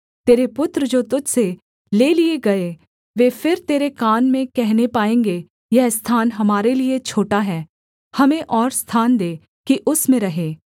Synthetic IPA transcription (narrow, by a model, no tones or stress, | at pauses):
t̪eːɾepʊt̪ɾd͡ʒoːt̪ʊd͡ʒse | leːlieɡɐe | ʋeːfʰɪɾt̪eːɾekaːnmẽkɛɦnepaːẽːŋɡe | jɛɦst̪ʰaːnɦɐmaːɾeliet͡ʃʰoːʈaɦɛː | hɐmẽʔɔːɾst̪ʰaːnd̪eː | kiʔʊsmẽɾɐɦeː